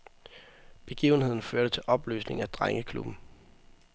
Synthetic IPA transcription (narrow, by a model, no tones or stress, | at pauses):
b̥e̝ɡ̥ḭːʊn̩he̝ð̞̰ˠn̩føɐɾ̥ət͡sʰe̝lʔɒ̽b̥ly̰ːsne̝ŋ̩æd̥ʁaŋəkʰlṵb̥n̩